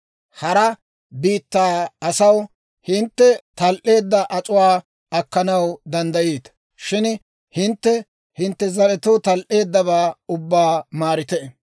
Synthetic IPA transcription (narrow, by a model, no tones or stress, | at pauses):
hɐɾɐ | biːt̪ːaːɐsɐw | hɪnt̪ːɛt̪ɐlʔe̞ːd̪ːɐʔɐt͡sʼʊwaː | ɐkːɐnɐwd̪ɐnd̪ɐjeːt̪ | ʃɪn | hɪnt̪ːɛ | hɪnt̪ːɛzɐlɛt̪ʊt̪ɐlʔe̞ːd̪ːɐβaːʊbːaːmaːɾɪt̪ɛ